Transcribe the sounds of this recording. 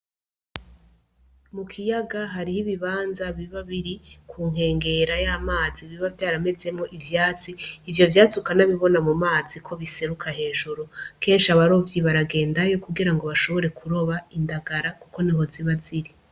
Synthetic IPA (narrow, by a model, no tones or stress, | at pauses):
mukʰijaɡaɦaɾihiβiβaːnzaβiβaβiɾikʰuːŋ̥ɦe̞ːŋɡe̞ɾajaːmaːziβiβavjaːɾame̞ze̞mŋo̞ʔivjaːt͡siːvjo̞vjaːt͡sukanaβiβo̞namumaːzikʰo̞βise̞ɾukʰahe̞ːʒuɾuke̞ːnʃiaβaɾovjiβaɾaɡe̞ːndajo̞kuɡiɾaŋɡo̞βaʃo̞βo̞ɾe̞kʰuɾo̞βaindaɡaɾakuko̞niɦo̞ziβaziɾi